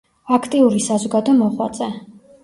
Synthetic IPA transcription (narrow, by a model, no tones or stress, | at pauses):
akʰt̪ʼiuɾisazɔɡad̪ɔmɔχwa̰t̪sʼɛ